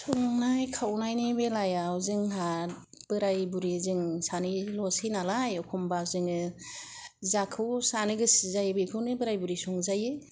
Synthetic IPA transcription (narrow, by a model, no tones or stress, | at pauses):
sɔŋnajkʰawnajnibelajawzɯŋɦat | b̥ɯɾajbuɾizɯŋsanilɔsinalajɔkʰɔmbazɯŋɯ | zakʰɯwsaniɡɯsizajbekʰɯwnɯbɯɾajbuɾisɔŋzajɯ